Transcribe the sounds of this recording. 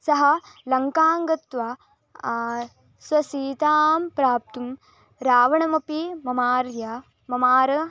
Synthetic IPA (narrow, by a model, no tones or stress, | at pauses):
sɐɦɐlɐŋkaːŋɡɐt̪ʋa | sʋɐsiːt̪aːmpɾaːp̚t̪um | ɾaːʋɐɳɐmɐpimɐmaːɾjɐ | mɐmaːɾɐ